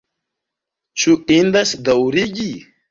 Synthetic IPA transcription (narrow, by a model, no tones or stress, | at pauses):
t͡ʃuʔind̪asd̪awɾiɡi